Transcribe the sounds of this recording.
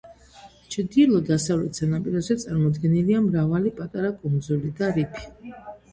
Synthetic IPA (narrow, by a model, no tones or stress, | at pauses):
t͡ʃʰd̪ilˠɔd̪asavlɛt̪ʰsanapʼiɾɔzɛt̪sʼaɾmɔd̪ɡɛniliamɾavalipʼat̪ʼaɾakʼund̪zulid̪aɾipʰi̥